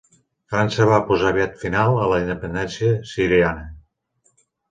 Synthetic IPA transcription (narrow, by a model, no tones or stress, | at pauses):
fɾansəβ̞apozaβiat̪finalˠələind̪əpənd̪ɛnsiəsiɾianə